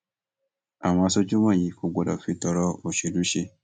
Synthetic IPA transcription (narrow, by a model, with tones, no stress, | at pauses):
a˨mã˨˦so˦d͡ʒu˦mã˦˨ji˧ko˧ɡ͡bɔ˨dɔ̰˨fi˦tɔ˨ɾɔ˦o˨ʃe˨du˦ʃe˧